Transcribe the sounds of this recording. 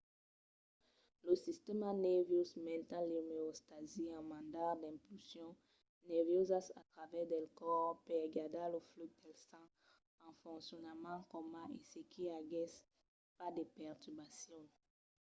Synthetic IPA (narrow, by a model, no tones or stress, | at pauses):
ləsist̪ɛmanɛʁvjosmɛ̃nt̪ãlemeost̪aziɑ̃mãnd̪aʁd̪ɛ̃mpylsjɔ̃ | nɛʁvjozasa̰t̪ʁavɛʁd̪ɛlkɔʁpɛʁɡad̪alofluk̚d̪ɛlsɑ̃ | ɑ̃fɔ̃ŋksjɔnamãkɔmãesekʰiaɡɛs | pad̪epɛʁt̪ybasjɔ̃